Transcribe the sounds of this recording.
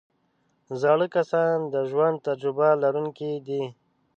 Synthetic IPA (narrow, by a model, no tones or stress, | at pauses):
zɑɽəkasɑnd̪əʒwand̪̚t̪ad͡ʒɾɪbalaɾuŋkid̪i